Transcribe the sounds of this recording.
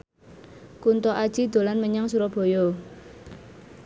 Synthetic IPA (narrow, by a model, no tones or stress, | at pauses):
kunt̪ɔʔad̥ʒ̥i̤d̪̥o̤lanməɲaŋsuɾɔb̥o̤jɔ